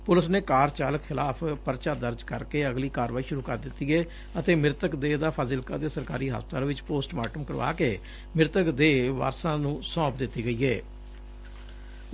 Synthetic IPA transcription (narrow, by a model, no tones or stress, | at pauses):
pʊləsneːkaːɾt͡ʃaːləkxʰɪlaːpʰpəɾt͡ʃaːd̪əɾd͡ʒkəɾkeːəɡliːkaːɾʋaːiːʃʊɾuːkəɾd̪ɪt̪ːiːɛː | ət̪eːmɪɾt̪əkd̪eːd̪aːpʰaːzɪlkã̰ːd̪eːsəɾka̰ːɾiːɦa̰ːspt̪aːlʋɪt͡ʃpoːsʈma̰ːʈəmkəɾʋa̰ːkeː | mɪɾt̪əkd̪eːʋa̰ːɾsãːnũːsɔ̃ːpd̪ɪt̪ːiːɡəiːɛː